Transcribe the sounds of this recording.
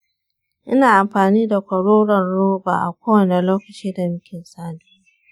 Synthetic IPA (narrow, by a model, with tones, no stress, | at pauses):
ʔɪ˦naː˨ʔa˨mɸaː˨niː˦da˨kʷɐ˨ɽoː˦ɽɐ˨nɽoː˦ba̰ː˨ʔa̰˨kʷoː˦wɐ˨ne˨loː˦kɐ˨t͡ʃiː˦da˨mɪ˦kʲɪ˨nsaː˦duː˦